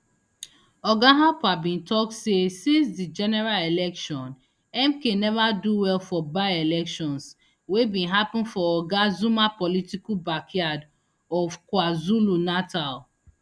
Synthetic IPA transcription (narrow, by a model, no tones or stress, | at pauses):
ɔɡaɦapabĩntɔk̚tsesĩnsdid͡ʒɛnɛɹalelɛkʃɔ̃n | ɛmkenɛvaduwɛlfɔbaɪelɛkʃɔ̃ns | webĩnɦapɪ̃nfɔɔɡazumapɔlitikubakʰjad | ɔvkwazulunatal